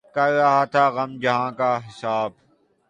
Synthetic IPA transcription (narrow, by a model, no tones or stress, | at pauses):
kɐɾːɐɦaːt̪ʰaːɣɐmd͡ʒɐɦãːkaːɦɪsaːb